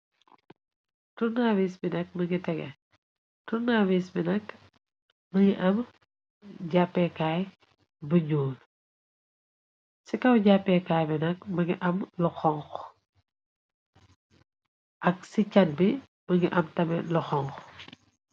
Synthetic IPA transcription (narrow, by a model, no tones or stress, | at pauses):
tunawisbinɐk̚mɐŋɡitɛɡɛ̰ | tunawisbinɐk̚ | mɐŋiʔɐm | ɟapːɛkaːj | bɐɲoːl | sikɐwɟapːɛkaːjbinɐk̚mɐŋiʔɐmluxɔŋx | ʔɐk̚sicɐn̚bi | mɐŋɡiʔɐmtɐmɛluxɔŋx